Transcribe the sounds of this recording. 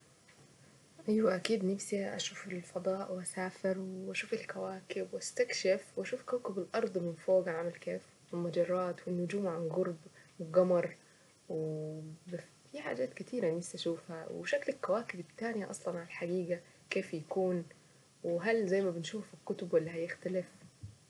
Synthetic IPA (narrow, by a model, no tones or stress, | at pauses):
ʔæjwæʔækiːd̪nafsiʔa̰ʃuːfɪlfɑd̪ˤɑːʔwʔasaːfɪɾwʔaʃuːfɪlkawaːkɪbwʔast̪akʃɪfwʔæʃuːfkawkɪbɪlʔɑɾˤd̪ˤmɪnfoːɡʕamɪlkeːf | wɪlmɑd͡ʒɑrˤːɑːt̪wɪnːʊd͡ʒuːmʕanɡʊɾˤbwɪɡɑmɑɾˤ | wb | fiħa̰ːd͡ʒaːt̪kɪt̪ʰiːɾænɪsʔaʃuːfhæwʃaklɪlkːawaːkɪbɪt̪ːaːnɪjaʔɑ̰sˤlɑnʕaalħaɡiːɡa | keːfjakuːn | wɦalzajːmabɪnʃuːfɪlkʊt̪ʊbwɪlːihajɪxt̪alɪf